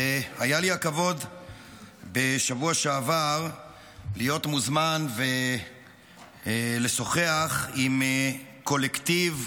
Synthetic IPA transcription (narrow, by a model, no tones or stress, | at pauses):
ajaliakavo̞d̪ | be̞ʃavuaʃeavaʁ | lijo̞t̪muzmanve | le̞so̞χeaχim | ko̞lekt̪iv